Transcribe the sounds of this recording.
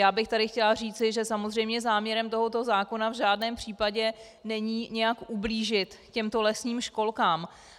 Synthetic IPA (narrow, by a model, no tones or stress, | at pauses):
jaːbɪxt̪adɪxcɛlariːt͡sɪʒɛsamozrɛjmɲɛzaːmɲɛɾɛmt̪o̞ɦo̞t̪o̞zaːko̞navʒaːdnɛːmpr̝̥iːpaɟɛ | nɛɲiːɲɛjakʔubliːʒɪt̪cɛmt̪o̞lɛsɲiːmʃko̞lkaːm